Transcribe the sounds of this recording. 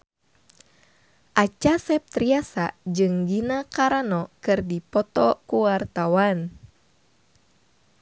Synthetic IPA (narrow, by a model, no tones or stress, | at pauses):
ʔat͡ʃasɛp̚t̪ɾiasa̰d͡ʒɨŋɡinakaɾanɔkɨrdipɔt̪ɔkuwart̪awan